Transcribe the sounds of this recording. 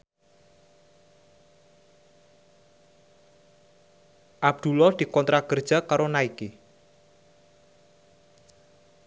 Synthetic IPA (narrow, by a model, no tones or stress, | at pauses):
ʔab̚d̪̥ṳlɔd̪̥i̤kɔnt̪ɾakərd̥ʒ̥a̤kaɾonaiki